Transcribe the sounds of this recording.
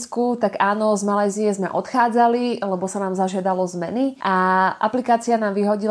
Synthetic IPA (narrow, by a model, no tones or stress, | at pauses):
skut̪aɡaːnɔzmalajzijɛzmɛ̰ʔɔt̪xaːd͡zalilɛbɔsanaːmzaʒɪad̪alɔzmɛ̰niʔaʔa̰plikaːt͡sianaːmʋiɦɔɟi